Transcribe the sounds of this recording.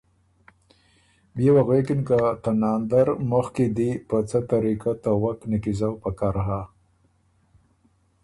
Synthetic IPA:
bjewaɣwekinkat̪anɑnd̪aɾmʊxkid̪ipət͡sət̪aɾikat̪awaknakizawpakaɾɦa

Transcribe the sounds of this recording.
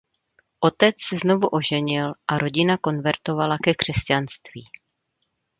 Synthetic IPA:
ʔo̞t̪ɛt͡ssɛzno̞vuʔo̞ʒɛɲɪlʔaɾo̞ɟɪnako̞nvɛɾt̪o̞valakɛkr̝̥ɛscanst̪viː

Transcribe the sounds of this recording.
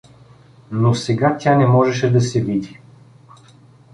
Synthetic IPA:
nosɛɡat̪ʲjanɛmɔʒɛʃɛd̪ɐsɛvid̪i

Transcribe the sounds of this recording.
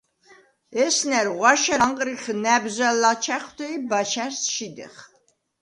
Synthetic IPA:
ɛsnɛɾʁwaʃaɴqʼɾiχnæbzalat͡ʃʰæχt̪ʰɛibaʃæɾsʃid̪ɛ̰χ

